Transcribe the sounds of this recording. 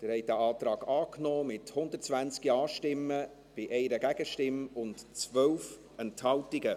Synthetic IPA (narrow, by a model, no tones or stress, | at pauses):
d̪̥əɾhɛɪdæʔɑːtɾɑːɡ̥ɑːknɔːmɪthʊnd̪ətt͡svænt͡skiɑːʃtɪmːə | b̥ɪʔɛɪɾəɡæɡ̥əʃtɪmʊntt͡sʋœlf | ɛnthɑltɪɡə